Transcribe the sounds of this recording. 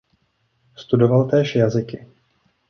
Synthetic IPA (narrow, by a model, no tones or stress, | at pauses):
st̪udo̞valt̪ɛːʃjazɪkɪ